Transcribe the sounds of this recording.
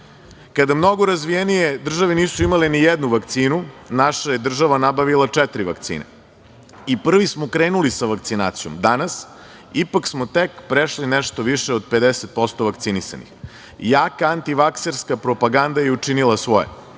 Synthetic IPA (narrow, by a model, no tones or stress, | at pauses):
kad̪amno̞ɡoɾazʋijenijed̪r̩ʒaʋeniːsuimalenijed̪nuʋakt̪siːnunaʃajed̪r̩ʒaʋanabaʋilˠat͡ʂɛt̪ɾiʋa̰kt̪sḭːnḛ | ipr̩ʋismokɾeːnulisaʋakt̪sinaːt̪sijomd̪anas | ipaksmot̪ekpɾeʃlineʃt̪oʋiʃeod̪̚pe̞d̪eset̪̚po̞st̪o̞ʋakt̪sinisa̰nḭx | jaːkaant̪iʋakseɾskapɾo̞paɡand̪ajeut͡ʂinilˠasʋo̞jḛ